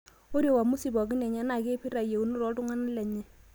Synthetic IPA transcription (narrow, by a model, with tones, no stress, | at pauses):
o˦ɾjo˦˨wa˨mu˦si˨bɔ˨kɪ˦nɛ˨ɲa˦na˨ke˦pi˦ɾa˨je˨u˦nu˦ɾɔ˦tʊ˦ŋa˦na˦lɛ˨ɲi˦